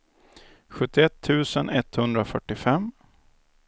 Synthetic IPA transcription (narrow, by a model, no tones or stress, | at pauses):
ɧɵt̪ːɪɛt̪ʰːʉ̟ːsənʔɛt̪hɵnd̪ɾafœʈːɪfɛm